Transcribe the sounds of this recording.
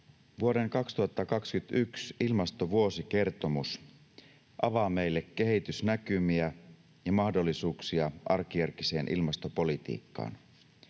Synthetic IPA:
ʋuoɾe̞ŋkɑkst̪uhɑt̪ːɑkɑkskyt̪yksilmɑst̪o̞ʋuo̞sike̞rt̪o̞mus | ʔɑʋɑːme̞jlːekːe̞ɦit̪ysnækymiæ | jɑmɑhdo̞lːisuːksiɑʔɑrk̟ijærkise̞ːnʔḭlmɑst̪opo̞lit̪ḭːkːɑ̰ːn

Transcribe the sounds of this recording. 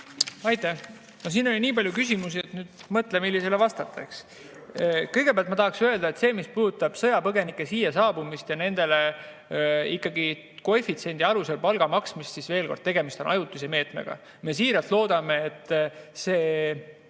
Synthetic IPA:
ɑjt̪ːˑæh | nos̬iːno̞lʲiniːpɑlʲjukys̬ʲimus̬iet̪nyːd̪̥mɤt̪lemilːiselevɑst̪ɑt̪ʰːˑɑks | kɤjɡ̥epeælt̪mɑt̪ɑhɑksinøeld̪ɑet̪se̞ːmispuːd̪̥ut̪ːˑɑb̥sɤ̞jɑpɤɡe̞nikːˑesiːjɑsɑːbumist̪jɑne̞nd̪̥e̞le̞ | ikːˑɑɡi | ko̞efit̪se̞nʲd̪̥iɑluse̞lpɑlɡ̥ɑmɑksmist̪sisve̞ːlko̞rd̥̪̚e̞ɡ̥e̞mist̪o̞nʔɑjut̪ːˑuseme̞ːt̪mḛɡ̥ɑ̰ | me̞ːsiːɾɑlt̪lo̞ːd̪̥ɑme̞ːt̪ːse̞ː

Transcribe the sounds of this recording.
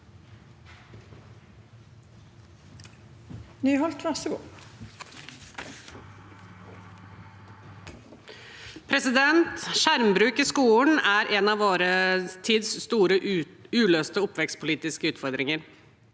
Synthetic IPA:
nyːɦɔlt̪ʰɾɑsəɡṵː | pʰɾɛsɪd̪ɛnt̪ʃæɾmbɾʉːkiskuːnæɾʔɛnɑʋoːɾət̪ʰiːd̪sst̪uːɾəʉːløːst̪əʊpʋɛkst̪̚pʰʊliːt̪ɪskəʉːt̪fɔɾd̪ɾɪŋəɾ

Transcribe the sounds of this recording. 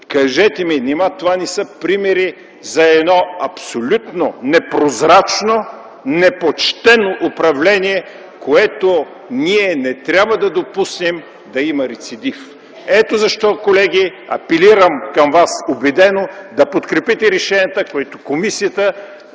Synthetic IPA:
kɐʒɛt̪ɛminɛmat̪ovanɛsɤpɾimɛɾi | zɐɛd̪nɔɐpsolʲut̪nonɛpɾozɾat͡ʃno | nɛpot͡ʃt̪ɛnoʔʊpɾɐvlɛniɛ | koɛt̪o | niɛnɛt̪ɾʲabvɐd̪ɐd̪opusnɛm | d̪ɐimɐɾɛt̪sid̪if | ɛt̪ozɐʃt̪ɔkolɛɡ̟iɐ̰pɛliɾɐmkɐmvasobɛd̪ɛnod̪ɐpot̪kɾɛpit̪ɛɾɛʃɛnʲiət̪əkoɛt̪okomisijət̪ə

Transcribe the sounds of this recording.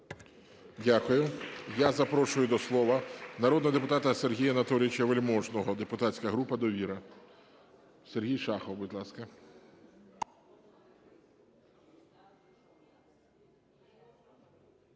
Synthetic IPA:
dʲakʊjʊjazɐpɾɔʃʊjʊd̪ɔslˠɔʋɐnɐɾɔd̪nɔɦɔd̪epʊt̪ɑt̪ɐserɦʲijɐnɐt̪ɔlʲɪɪt͡ʃɛʋelʲmɔʒnɔɦɔd̪epʊt̪at͡sʲsʲkɐɦɾupɐd̪ɔʋʲiɾɐ | serɦʲijʃɑxɔwbʊdʲlˠɑskɐ

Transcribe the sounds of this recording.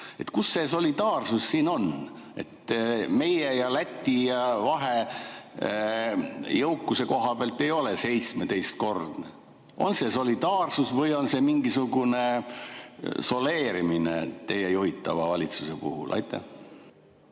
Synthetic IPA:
e̞t̪kusːe̞so̞lʲid̪ɑːrsusːiːno̞n | e̞̰t̪me̞jejɑlæt̪ʲːijɑvɑɦe | jɤwkːˑuse̞ko̞ɦɑpeɑlt̪ːˑe̞jo̞lese̞jt̪sme̞t̪e̞jst̪̚ko̞rd̪̥ne | o̞̰nse̞so̞lʲid̪̥ɑːrsusvɤjo̞nse̞miŋɡisuɡ̥une̞ | so̞le̞ːɾiminḛt̪e̞jejuhit̪ːˑɑvɑvɑlʲit̪suse̞pṵhṵlʔɑ̰jt̪ːˑḛ

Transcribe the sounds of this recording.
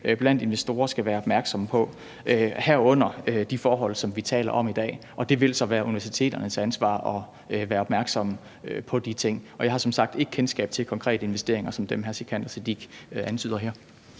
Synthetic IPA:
b̥læn̰d̥e̝nʋesd̥o̝ːɐsɡ̥æʋæːɐɒb̥mæɐɡ̥sɒ̽mpʰɒ̽ | øhæɐ̰ɔ̽n̰ɐd̥ifɒːɦɒ̽l̰sɒ̽mʋit͡sʰɛ̰ːlɐʔɒ̽mid̥ɛ̰ːʔɒ̽d̥e̝ʋe̝lsɒ̽ʋæːɐʔuniʋæɐs̬it͡sʰe̝̰ːd̥ɐnəsænsʋɑ̰̈ːɒ̽ | ʋæːɐɒ̽b̥mæɐɡ̥sɒ̽m | øpʰɒ̽d̥it͡sʰe̝ŋ̰ɒ̽jɑ̈hɑ̈sɒ̽msɑ̈ɡ̥̚d̥e̝ɡ̥ə̥kʰensɡ̥ɛ̰ːb̥̚t͡sʰe̝lkʰɒ̽ŋkʰʁɛ̰ːdəe̝nʋesd̥e̝ɐe̝ŋɐsɒ̽md̥emɦæɐsikʰæn̰d̥ɐsed̥iɡ̥ænt͡sʰy̰ːðˠɐɦæɐ̰

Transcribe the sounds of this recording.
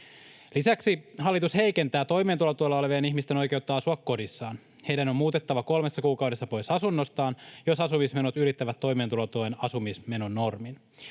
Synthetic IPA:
lisæksiɦɑlːit̪ushe̞jke̞nt̪æːt̪o̞jme̞ːnt̪ulot̪uolːɑoleʋeːniçmist̪e̞no̞jke̞ut̪ːɑɑsuɑkːo̞disːɑːn | he̞jdæno̞mmuːt̪e̞t̪ːɑʋɑko̞lme̞sːɑkuːkɑwde̞sːɑpo̞jsɑsunːo̞st̪ɑːnjo̞sɑsumisme̞not̪yɾit̪ːæʋæt̪ːo̞jment̪ulot̪oenɑsumisme̞no̞nːo̞rmin

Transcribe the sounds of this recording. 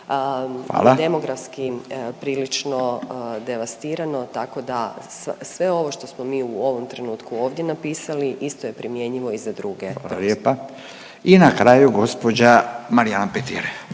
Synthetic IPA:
a̰ːlad̪e̞mo̞ɡɾafskipɾiːlit͡ʃno̞d̪e̞ʋast̪iːɾano̞t̪ako̞d̪assʋe̞o̞ʋo̞ʃt̪o̞smo̞miːuo̞ʋo̞mt̪ɾe̞nuːt̪kuo̞ːʋd̪je̞napiːsaliʔist̪o̞je̞pɾimje̞ɲiʋo̞izad̪ɾuːɡe̞oljeːpa | inakɾaːjuɡo̞spod͡ʑamaɾijanapet̪ḭɾeʋ

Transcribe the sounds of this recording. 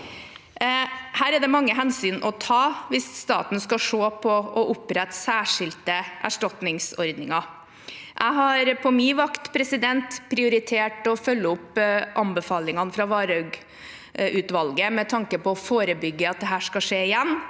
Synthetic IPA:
hæːɾæɖɛmɑŋːəɦɛnsyːnʔɔt̪ʰɑːʋɪsst̪ɑ̰ːt̪n̩skɑʂoːpʰɔʔɔʔʊpɾɛt̪ːsæːʂɪlt̪əʔæ̰ʂʈɑt̪nɪŋsɔɾd̪nɪŋɑ | ʔæ̰ɪɦɑɾpʰɔmɪʋɑkt̪pʰɾɛsɪd̪ɛnt̪pʰɾɪʊɾɪt̪ʰeːʈɔfœlːəʊpʔɑmbəfɑːlɪŋɑnfɾɑʋɑːɾœɡ | ʉːt̪ʋɑlɡəmɛt̪ʰɑŋkəpɔɔfoːɾəbʏɡːəɑt̪̚d̪ɛɦæːʂkɑʂeːɪjɛnː

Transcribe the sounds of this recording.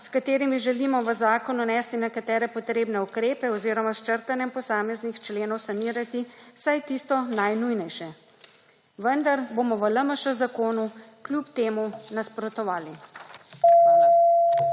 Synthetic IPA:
skat̪eːɾimiʒɛlimɔʋəzaːkɔnunɛst̪inɛkat̪ɛːɾɛpɔt̪ɾeːbnɛukɾeːpɛɔziːɾɔmast͡ʃəɾt̪anjɛmpɔsaːmɛznixt͡ʃleːnɔwsaniːɾat̪isajt̪ist̪ɔnajnujnɛjʃɛ | ʋənd̪aɾboːmɔʋələməʃɛzakoːnu | klʲjupt̪eːmunaspɾɔt̪ɔʋaːli

